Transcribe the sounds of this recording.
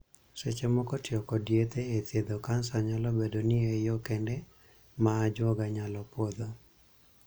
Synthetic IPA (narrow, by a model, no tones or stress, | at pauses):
set͡ʃemɔkɔtjɔkɔdjet̪eːt̪jed̪okansaɲalɔbedonioejɔkɛndɛ | maːd͡ʒwɔɡaɲalɔpɔd̪o